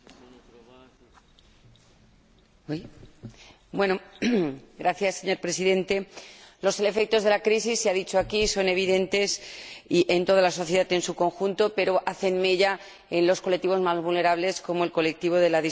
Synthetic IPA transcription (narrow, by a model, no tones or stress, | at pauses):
bwe̞no | ɡɾaθjasːe̞ɲo̞ɾpɾe̞siðẽ̞nt̪e̞lo̞sele̞fe̞k̚t̪o̞zðe̞lakɾisisːeaðit͡ʃoakiso̞ne̞β̞iðẽ̞nt̪e̞siʔe̞nt̪o̞ðalaso̞θje̞ðat̪e̞nsuko̞ŋxunt̪o̞pe̞ɾo̞ʔaθe̞nmeʝa | e̞nlo̞skolek̚t̪iβo̞zmazβulne̞ɾaβ̞le̞sko̞mo̞elko̞le̞k̚t̪iβ̞o̞ðe̞laði